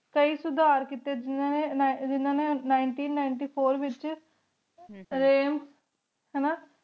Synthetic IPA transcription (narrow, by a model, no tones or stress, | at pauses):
kəiːsʊd̪aːɾkit̪eːd͡ʒɪnãːned͡ʒɪnːãːneːnaːɪɳʈiːnːaːɪɳʈiːpʰoːɾʋɪt͡ʃ | ɾeːm | ɦɛːnaː